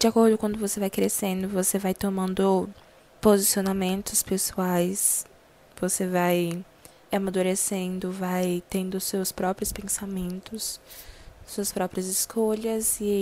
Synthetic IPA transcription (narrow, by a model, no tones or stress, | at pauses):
d͡ʒɪakoɾd̪ʊkwɐ̃nd̪ʊvosevajkɾesẽnd̪ʊvosevajt̪omɐ̃nd̪ʊ | pozisionamẽnt̪ʊspesuajs | vosevaj | amad̪uɾesẽnd̪ʊvajt̪ẽnd̪ʊsewspɾɔpɾjʊspẽsamẽnt̪ʊs | suɐspɾɔpɾiɐzɪskʰoʎɐzɪ